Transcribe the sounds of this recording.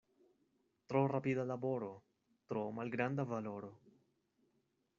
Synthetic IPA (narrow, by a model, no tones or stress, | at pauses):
t̪ɾorapid̪alaboɾo | t̪ɾomalɡɾand̪avaloɾo